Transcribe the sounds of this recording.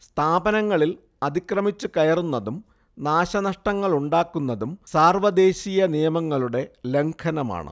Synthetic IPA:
st̪ʰaːbɐnɐŋːɐɭil | ɐðikrɐmit͡ɕːukɐjɐrunːɐðum | naːɕɐnɐʂʈɐŋːɐɭuɳɖaːkːunːɐðumsaːrʋɐd̪e̞ːɕijɐnijɐmɐŋːɐɭuɽe̞le̞ŋkʰɐnɐma̰ːɳɨ̰

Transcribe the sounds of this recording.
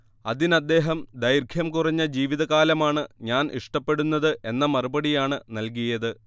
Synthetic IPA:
ɐðinɐd̪ːe̞ːɦɐmd̪ɐjrɡʱʰjɐmkurɐɲːɐd͡ʑiːʋiðɐɣaːlɐmaːɳɨɲaːnʔḭʂʈɐpːe̞ɽunːɐðɨʔe̞nːɐmɐrubɐɽijaːɳɨnɐlk̬ijɐðɨ

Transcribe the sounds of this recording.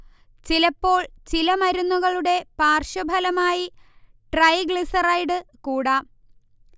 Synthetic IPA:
t͡ɕilɐpːo̞ːɭt͡ɕilɐmɐɾunːuɣɐɭuɽe̞paːrʂɐbʱɐlɐmaːji | ʈrɐjɡɭisɐrɐjɖɨkuːɽɐ

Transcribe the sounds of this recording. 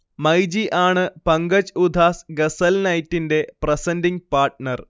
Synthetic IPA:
mɐjd͡ʑiʔaːɳɨpɐŋɡɐd͡ʑud̪ʱaːsɡɐsɐlnɐjtːinde̞prɐsɐndiŋpaːrʈnɐr

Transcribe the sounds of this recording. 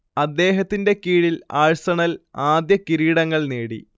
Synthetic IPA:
ɐd̪ːe̞ːɦɐt̪ːinde̞kiːɻilaːɻsɐɳɐlaːd̪jɐkiɾiːɽɐŋːɐɭneːɽḭ

